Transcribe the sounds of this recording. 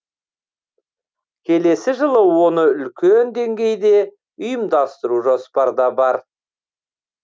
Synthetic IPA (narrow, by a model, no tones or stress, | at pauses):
kʲʰe̞le̞sɪʒəlˠəwo̞nəʏlkʲend̪e̞ŋɡʲe̞jd̪e̞ | ʊjəmd̪ɑst̪əɾuʒospɑɾd̪ɑbɑɾ